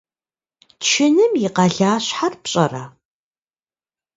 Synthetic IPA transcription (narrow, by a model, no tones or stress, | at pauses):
tʃʰɪnɨmjɪqɐɮaːɕħarpɕʼɐ̰ra̰ː